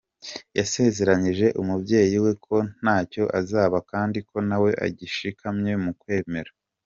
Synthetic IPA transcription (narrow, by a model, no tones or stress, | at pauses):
jase̞ze̞ɾaɲiʒe̞ʔumubɟe̞ːjiwe̞kʰo̞n̥aːco̞ʔazaːβakaːndikʰo̞nawe̞ʔa̰ɟiʃikʰamɲe̞mukwe̞ːme̞ɾa